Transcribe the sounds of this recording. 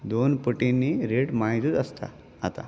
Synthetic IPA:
d̪onpəʈinːiɾeʈmaɦit̪ət̪əst̪a̰ | a̰t̪a̰

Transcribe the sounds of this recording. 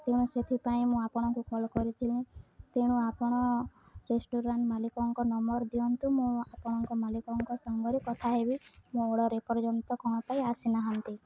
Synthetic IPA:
t̪eɽ̃ũset̪ʰipaĩmũapɔɽ̃ɔŋkukɔlɔkɔɾit̪ʰilĩt̪eɽ̃ũapɔɽ̃ɔ | ɾesʈuɾaɳʈmalikɔŋkɔnɔmɔɾd̪iɔnt̪umũapɔɽ̃ɔŋkɔmalikɔŋkɔsɔŋɡɔɾikɔt̪ʰaɦebimũoɽɔɾepɔɾd͡ʒɔnt̪ɔkɔɽ̃ɔpaiasinaɦɔnt̪i

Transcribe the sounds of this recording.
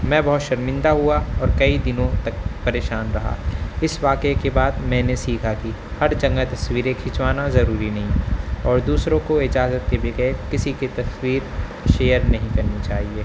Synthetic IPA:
mɛ̃ːbɐɦʊt̪ʃɐɾmɪ̃nd̪aɦuaɔːɾkɐid̪ɪnõt̪ɐk̚pɐɾeːʃaːnɾɐɦa̰ːɪsʋaːkekebaːd̪mɛ̃ːnesiːkʰaki | hɐɾd͡ʒɐ̃ŋɡət̪ɐswiːɾekʰɪt͡ʃwaːnazɐɾuːɾinɐɦĩɔːɾd̪uːsɾõkoɪd͡ʒaːzət̪̚kebɪɡɛkɪsiket̪ɐswiːɾ | ʃeːjəɾnɐɦĩkɐɾnit͡ʃaːɦieː

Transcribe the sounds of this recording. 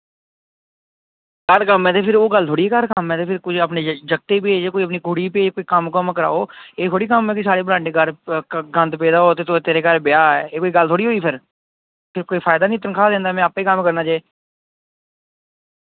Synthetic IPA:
kəɾkəmːɛ̃ːt̪eːpʰɪɾoːɡəlt̪ʰoːɽiːekəɾkəmːɛ̃ːt̪eːpʰɪɾkʊt͡ʃʰəpned͡ʒəɡ̚t̪eːpeːd͡ʒekoːiəp̬niːɡʱʊɽiːpeːd͡ʒkoːiːkəmkəmkəɾa̰ːoːeːt̪ʰoːɽiːkəmɛ̃ːkis̬aːɾeːbɾãːɳɖeːɡəɾɡə̃nd̪pɛːd̪aːɦoːt̪eːt̪ʰot̪eːɾeːkəɾbɪjaːɛeːkoːiɡəlt̪ʰoːɽiːɦoːiːpʰɪɾ | pʰɪɾkoːiːpʰaːɪd̪aːnĩːt̪ənkʰaːd̪ẽːnd̪aːmɛ̃ːaːpeːkəmkəɾnaːt͡ʃaːeː

